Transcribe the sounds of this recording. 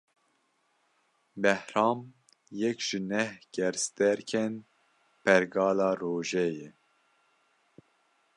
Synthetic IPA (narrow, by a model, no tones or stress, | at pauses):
bɛhɾɑːm | jɛkʒ̥ɪnɛhɡ̥ɛɾst̪ɛɾkʰɛn | pʰɛɾɡɑːlɑːɾoːʒɛjɛ